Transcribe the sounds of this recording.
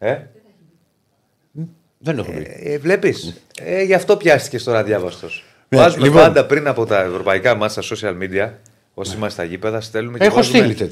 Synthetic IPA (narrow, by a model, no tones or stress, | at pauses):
e | ðenexopḭvle̞pis | eʝɐft̪o̞pçɐst̪i̥ce̞st̪o̞ɾɐðʝɐvɐst̪o̞s | vɐzumleipɐnd̪ɐpɾinɐpo̞t̪ɐevɾo̞pɐikɐmɐst̪ɐso̞siɐlmid̪iɐ | o̞siimɐst̪ɐʝipe̞ðɐst̪e̞lumecexvost̪ilit̪e